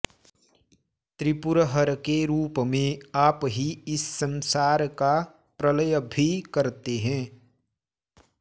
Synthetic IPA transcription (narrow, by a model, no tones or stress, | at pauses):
t̪ɾɪpʊɾəɦəɾkeɾuːpmẽaːpɦiɪsːə̃nsaːɾka | pɾələjəbʱikɐɾt̪eɦɛ̃ː